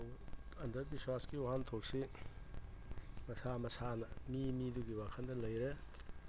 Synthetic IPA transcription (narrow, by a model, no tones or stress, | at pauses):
wɐndɐɾbiswaskioɦantʰok̚si | mɐsamɐsanɐmimiduɡiwakʰɐndɐlɐjɾe